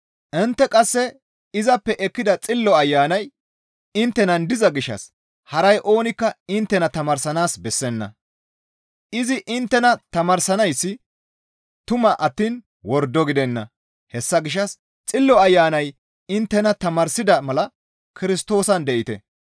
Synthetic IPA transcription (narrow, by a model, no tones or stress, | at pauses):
ʔɪnt̪ːɛkʼɐsːɛ | ɪzɐpːɛʔɛkːɪd̪ɐt͡sʼɪlːɔɐjːaːnɐj | ɪnt̪ːɛnɐnd̪ɪzɐɡɪʃːɐ̰s | hɐɾɐjʔo̞ːnɪkːɐɪnt̪ːɛnɐt̪ɐmɐɾsɐnaːsbɛsːɛnːɐ̰ | ɪzɪʔɪnt̪ːɛnɐt̪ɐmɐɾsɐnɐjsːɪ | t̪ʊmɐʔɐt̪ːiːn | wɔɾd̪ɔɡɪd̪ɛnːɐ̰ | hɛsːɐɡɪʃ̬ɐs | t͡sʼɪlːɔɐjːaːnɐj | ɪnt̪ːɛnɐt̪ɐmɐɾsɪd̪ɐmɐlɐ | kɪɾɪst̪o̞ːsɐnd̪ɛʔɪt̪ɛ̰